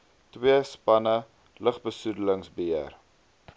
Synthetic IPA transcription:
twiəspɐnə | ləχbəsudələŋsbəər

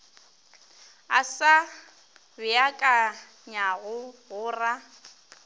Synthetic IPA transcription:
a̰sa | bɪjakʼa | ɲaɣʊɣʊːra

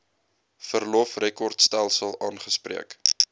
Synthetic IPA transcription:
fərlɔfrekɔrtstælˠsəlˠɑːnχəspriək

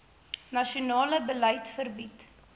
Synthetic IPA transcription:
nɐʃiunɑːləbəlɛjtfərbit

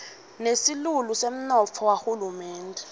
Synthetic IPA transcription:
nesilulusem̩nɔt͡fʰɔwaxulumɛːntʼɛ

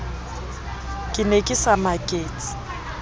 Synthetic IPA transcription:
kʼɪnekʼɪsamakʼeːt͡sʼi̥

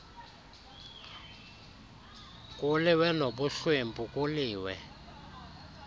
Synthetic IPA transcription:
kʼuliwɛnoɓuɬwembʱukʼuliːwɛ̰

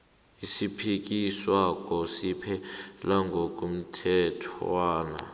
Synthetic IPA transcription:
isipʰik̬iswak̬ʼɔsipʰɛlaŋɡʱok̬ʼum̩tʰɛtʰaːna̰

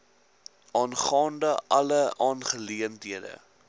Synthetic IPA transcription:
ɑːnχɑːndəʔɐləʔɑːnχəliəntɦiədə̰

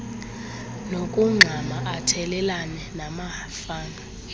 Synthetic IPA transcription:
nokʼuŋ͡ǁʱamaʔatʰɛlɛlanɛnama | faːŋɡʱa

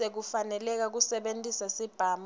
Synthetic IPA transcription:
ek̬ufanɛlɛk̬ak̬usɛɓentʼisasib̥ʱaːm

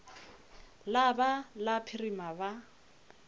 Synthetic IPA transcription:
labalapʰirimaba

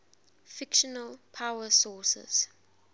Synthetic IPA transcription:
fɪkʃɔnəlpʰawəsɔːsɛ̰z̥

